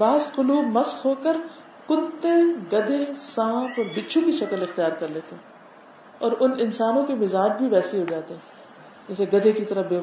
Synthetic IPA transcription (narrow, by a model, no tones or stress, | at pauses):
baːzqʊluːbmɐsxɦoːkəɾ | qʊt̪ːeɡɐd̪ʱesãːpɔːɾbɪt͡ʃʰũkiʃɐkəlɪxt̪ijaːɾkɐɾleːt̪eɛ̃ː | ɔːɾʊnɪnsaːnõkemɪzaːd͡ʒbʱiʋɛːseɦod͡ʒaːt̪eɦɛ̃ | d͡ʒɛːseɡɐd̪ʱekit̪ɐɾəbeː